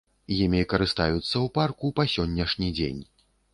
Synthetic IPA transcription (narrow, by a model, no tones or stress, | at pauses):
jimʲikɐɾɨst̪a̰jut̪sːɐwparkupasʲɔnʲːɐʂnʲid͡zʲḛnʲ